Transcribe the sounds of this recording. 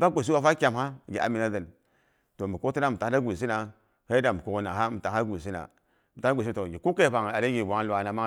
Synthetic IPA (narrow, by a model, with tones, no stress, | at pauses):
ba˦ɡʷe˨s̬i˦wa˦fa˦kʲa˨mha˦˨ɡi˨a̰˨mi˨na˦də˨n | to˨mi˨ko˦ti˦na˦˨m̩i˨ta˨˦a˦ɡʷu˨s̬i˦na˨ | he˦da˨mi˨ku˨ɡna˨ɦa˦mi˨ta˨˦a˦ɡu˨s̬i˦na̰˨ | m̩i˨a˨˦ɡʷe˨sa˨o˨ɡi˨ku˦ke˦˨pa˨ŋ˨a˨ɾe˦ɡi˨wa˨˦ŋ˦lu˨a˨na˨ma˦